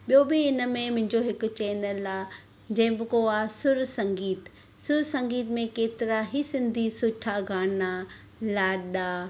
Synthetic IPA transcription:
ɓijobɪɪnə̆mẽmʊ̃ɦɪ̃ɲd͡ʑoɦɪkʊ̆t͡ɕɛːnəlaː | d͡ʑɐ̃ɦɪ̃bɪkoaːsʊɾsɐ̃ŋɡiːt̪ | sʊɾsɐ̃ŋɡiːt̪mẽkeːt̪ɪɾaɦisɪ̃nd̪ʱisʊʈʰaɡʱaːna | laːɗaː

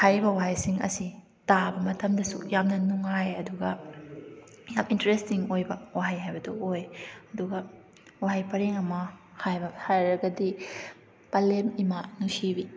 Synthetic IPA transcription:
hajbɐwaɦajsiŋɐ̰si | tabɐmɐtʰɐmdɐsṵjamnɐnuŋajɐduɡɐ | jamintɐɾestiŋojbɐwaɦajɦajbɐdɐojɐduɡɐ | waɦajpɐɾeŋɐmɐ | hajbɐhajɾɐɡɐdi | pɐlemimanusibi

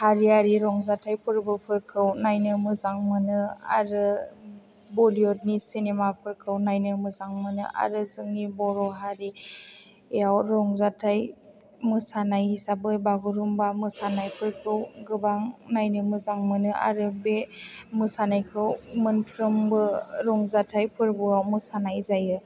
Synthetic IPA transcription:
haɾiaɾiɾɔŋzatʰajpʰɯɾbɯpʰɯɾkʰɯwnajnɯmɯzaŋmɯnɯa̰ɾɯ | bɔliɔdnisinemapʰɯɾkʰɯwnajnɯmɯzaŋmɯnɯ̰ʔa̰ɾɯzɯŋnibɔɾɔɦaɾi | eawɾɔŋzatʰaj | mɯsanajhisabɯbaɡuɾumbamɯsanajpʰɯɾkʰɯwɡɯbaŋnajnɯmɯzaŋmɯnɯʔa̰ɾɯbemɯsanajkʰɯwmɯnpʰɾɯmbɯɾɔŋzatʰajpʰɯɾbuawmɯsanajzajɯ

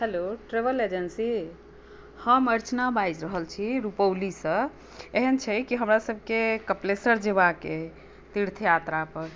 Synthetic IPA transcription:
heloʈɾebəled͡ʒənsi | həməɾt͡ʃnabajd͡ʒɾəɦəlt͡ʃʰiɾupəwlisə̃ | eɦənt͡ʃʰɛkiɦəmɾasəb̚ʱkekəplesəɾd͡ʒebake | t̪iɾt̪ʰjat̪ɾapəɾ

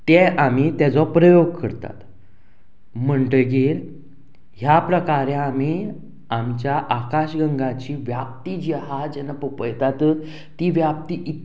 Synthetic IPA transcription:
t̪ɛʔam̤it̪ɛd͡zɔpɾəjoɡkəɾt̪a̰t̪ | m̤əɳʈ̪əɡel | ɦjapɾəkaɾẽam̤i | amt͡ɕjaʔakaɕɡəŋɡat͡ɕiːʋjap̚t̪iːd͡ʑiɦad͡ʑɛnapəpəjt̪at̪ | t̪ːiʋjap̚t̪iːʔit̪

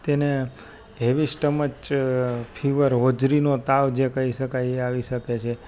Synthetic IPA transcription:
t̪ene | ɦeʋisʈəmət͡ʃpʰiʋəɾɦod͡ʒɾinot̪aʋd͡ʒekəiʃəkajeaʋiʃəket͡ʃʰe

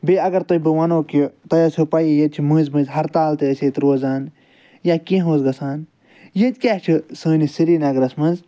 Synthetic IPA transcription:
beːɐɡɐɾt̪ɐbɨwɐnoːkut̪ɐjɐsʲupajijɐd̪̚t͡ʃʰimɨ̃ːnzmɨ̃nzɦɐɾt̪aːlt̪ɨəsʲeːt̪ɾoːzaːn | jaːkĩːɦõːzɡɐsaːn | jed̪ʲkʲaːht͡ʃʰisɨːnisiɾiːnɐɡɾɐsmɐnz

